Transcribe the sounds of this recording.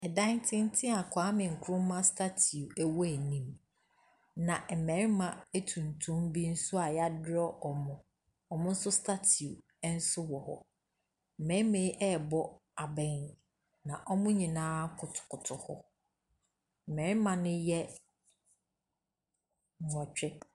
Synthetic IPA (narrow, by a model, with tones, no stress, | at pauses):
ɛ˨dã˦ntʰɪ̃˦n˦tʰɪ̃˦a˨kʷʰã˨˦mɪ̃˨ŋ̩˨kʰʊ˦ʊ̃˦mã˦stʰa˦tʰi˨u˨æ˦˨wɔ˦æ˨nĩ˨m | nã˨ʔmɛ̃˨ɾɪ˦mã˨æ˦tʰũ˨ntʰũ˦mbi˦n̩˦sʊ˦a˨ja˦dɪ˦ɾɔ˦ʔɔ˨mʊ̃˨ | ɔ˨mʊ̃˦n̩˦sʊ˦stʰa˦tʰi˨u˨˦ | n̩˦sʊ˦wɔ˨hɔ̰˨ | m̩˨mɛ̃˨˦ɪ˦mẽ˨˦ʔɛ˦˨bɔ˦ | a˨bɛ̃˨n | nã˨ʔɔ˦mʊ̃˦ɲĩ˨nãː˦kʰʊ˨tʰʊ̥˨kʰʊ˨tʰʊ˨hɔ˦ | m̩˨mɛ̃˨ɾɪ˦mã˨nʊ̃˦jɛ˦˨ | ɔ̃˨t͡ɕᶣɪ˦